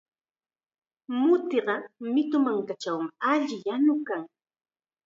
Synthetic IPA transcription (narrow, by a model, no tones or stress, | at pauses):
mʊt̪eɢɑmɪt̪ʊmaŋkat͡ʃawmɪaʎɪjanʊkaŋ